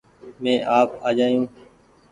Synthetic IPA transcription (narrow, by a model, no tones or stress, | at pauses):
mẽːʔaːpaːd͡ʒaːjũː